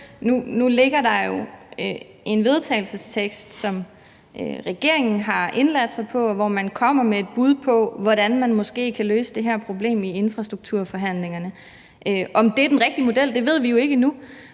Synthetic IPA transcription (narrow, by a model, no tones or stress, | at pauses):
nunule̝ɡ̥ɐdɑ̈jo̝ø | e̝nʋe̝ð̞ˠt͡sʰɛ̰ːɪl̩səst͡sʰeɡ̥sd̥sɒ̽m | øʁɛɡ̥e̝ɐ̰e̝ŋn̩ɦɑ̈e̝nlæd̥sɑ̈ɪpʰɒ̽ʋɒmænkʰɒ̽m̰ɐmee̝d̥̚b̥uð̞ˠpʰɒ̽ʋɒɾ̥ænmænmɒ̽sɡ̥e̝̰ːkʰæløːsəd̥e̝ɦæɐ̰pʰʁo̝b̥le̝̰ːmie̝nfʁɑ̈sd̥ʁuɡ̥̚t͡sʰuɐ̰fɒ̽ɦæn̰le̝ŋɐnə | ʔøʔɒ̽md̥e̝æɐdenʁɛɡ̥̚d̥imo̝d̥el̰d̥e̝ʋe̝ð̞̰ˠʋijo̝e̝ɡ̥ənu